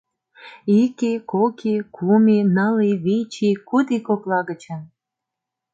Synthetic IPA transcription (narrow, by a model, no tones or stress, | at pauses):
ikekokʰikʰuminɑliβit͡ɕikud̪ikoplɑɣət͡ɕən